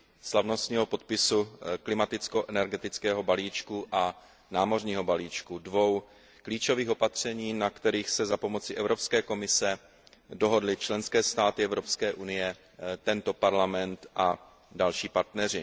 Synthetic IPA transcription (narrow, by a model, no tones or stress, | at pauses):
slavno̞st̪ɲiːɦo̞po̞t̪̚pɪsuklɪmat̪ɪt͡sko̞ʔɛnɛɾɡɛt̪ɪt͡skɛːɦobaliːt͡ʃkuʔa | naːmo̞rɲiːɦo̞baliːt͡ʃkudvo̞w | kliːt͡ʃo̞viːxo̞pat̪r̝̥ɛɲiːnakt̪ɛɾiːxsɛzapo̞mo̞t͡sɪʔɛvɾo̞pskɛːko̞mɪsɛ | do̞ɦo̞dlɪt͡ʃlɛnskɛːst̪aːt̪ɪɛvɾo̞pskɛːʔunɪjɛ | t̪ɛnt̪opaɾlamɛnt̪ʔa | dalʃiːpaɾt̪nɛr̝ɪ